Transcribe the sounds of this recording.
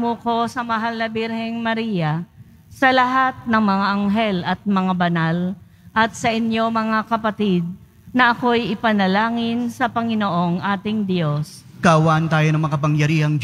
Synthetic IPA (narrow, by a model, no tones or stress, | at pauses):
moko̞sɐmɐɦalnɐbɪɾhɛŋmɐɾijɐ | sɐlɐɦat̪̚nɐŋmɐŋaʔɐŋɦɛlɐt̪̚mɐŋabɐnal | ʔɐt̪̚sɐʔɪnjo̞mɐŋakɐpɐt̪id̪̚ | nɐʔɐko̞jɪpɐnɐlaːŋɪnsɐpɐŋɪnoʔo̞ŋʔaːt̪ɪŋd̪jo̞s | kaʔɐwaːʔɐnt̪aːjonɐŋmɐkɐpɐŋjɐɾiːhɐŋ